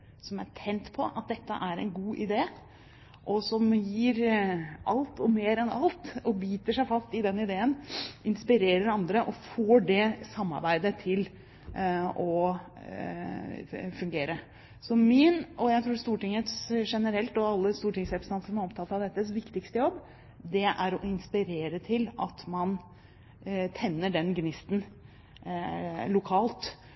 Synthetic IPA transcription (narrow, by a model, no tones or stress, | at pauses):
sɔmæʈʰɛnt̪pʰɔʔɑt̪̚d̪ɛt̪ːə̰ʔæɾɛnɡuːʔɪd̪eː | ʔɔsɔmjiːɾʔɑlt̪ʰɔmeːɾɛnɑ̰lt̪ɔbiːt̪əʂæɪfɑst̪ɪd̪ɛnːɪd̪eːənɪnspɪɾeːɾəɾɑnd̪ɾəʔɔfoːɖɛsɑmːɑ̰ɾbæɪd̪ət̪ʰɪl | ɔ | fʉŋɡeːɾə | sɔmɪnɔjæɪt̪ʰɾuːst̪uːʈɪŋːət̪sʂɛnəɾɛlt̪ɔɑlːəst̪uːʈɪŋsɛpst̪ɑnsəmæɾɔpt̪ʰɑt̪ːɑʋd̪ɛt̪ːəsʋɪkt̪ɪkst̪əjɔbː | d̪ɛʔæɾɔɪnspɪɾeːɾət̪ʰɪlɑ̰t̪mɑn | t̪ʰɛnːəɖɛnɡnɪst̪n̩ | lʊkʰɑːlt̪